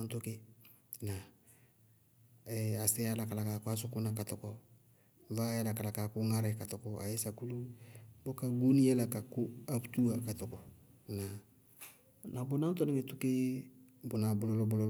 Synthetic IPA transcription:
nto˦ke˦ | na˨ | ɛ˨a˨sɛ˦ja˦la˨ka˨la˨ka˨kʷa˦s̬ʊ˦ku˦na˨ka˨tɔ˨kɔ˦ | va˦ja˦la˨ka˨la˨ka˨kʊ˦ŋa˦ɾɛ˨ka˨tɔ˨kɔ˨a̰˨je˦sa˨ku˦lu˦bo˦ka˨ɡu˦ni˦ɛ˦la˨ka˨ku˦a˦putu˦a˨ka˨tɔ˨kɔ˨na˨ | na˨bʊ˨˦nã˦n˦tɔ˦nɛ˦ŋe˦tu˦ke˦ | bʊ˨na˨bʊ˨lɔ˦lɔ˦bɔ˨lɔ˦

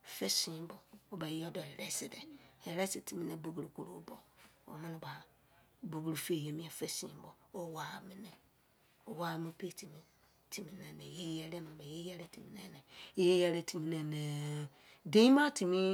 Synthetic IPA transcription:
fe˦sĩ˨˦bɔ˨o˦ba˨jɔ˦dɔ˨ɛ˨ɾɛ˦si˨dɛ˨e˨ɾɛ˦si˨ti˨mĩ˦nẽ˦bu˦ɡu˨ɾu˨ko˨ɾo˨˦bɔ˨ | o̰˨mã˦nɪ̃˦ba˨ | bu˨ɡu˨ɾu˨fe˦˨je˨mĩ˦a˨fe˦sĩ˨˦bɔ˨ | o˦wa˨mi˦nɛ˨ | o˦˨wa˨mĩ˦pe˦˨tʰi˨mĩ˦ | tʰi˨mi˨nɛ̃˨ne˨je˦jɛ˦ɾɛ˦mã˨ba˨je˦jɛ˦ɾe˦tʰi˨mi˨˦nẽ˦˨nɛ˨je˦jɛ˦ɾe˦tʰi˨mi˦nẽ˨ne˨ | de˦i˦mã˦ti˨mĩ˦

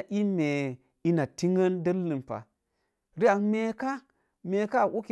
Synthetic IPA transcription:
ʔi˦me˨ | i˦na˨ti˦ŋɡə˦ndə˦lːɨ˨mpa̰˨ | ɾi˦a˨nme˦ka˦ | me˨ka˦˨ʔu˦ki˨

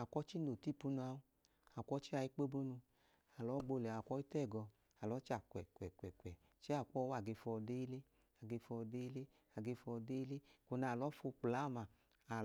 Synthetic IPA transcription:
a˨kʷɔ˦t͡ʃi˦no˨ti˦˨pu˦nu˧a˧u˦ | a˨kʷɔ˦t͡ʃi˦a˧i˦k͡pe˦bo˦nu˧ | a˨lɔ˨˦ɡ͡bo˧lɛ˨a˨kʷɔ˦i˦tɛ˦˨ɡɔ˧ | a˨lɔ˨˦t͡ʃa˨kʷɛ˨kwɛ˨kʷɛ˨kwɛ˨ | t͡ʃi˦a˦˨kʷɔ˦wa˨ɡe˧fɔ˧de˦le˦ | a˨ɡe˧fɔ˧de˦le˦ | a˨ɡe˧fɔ˧de˦le˦ko˨˧na˧˨lɔ˨˦fo˧k͡pla˨˦˨ma˨ | a˨

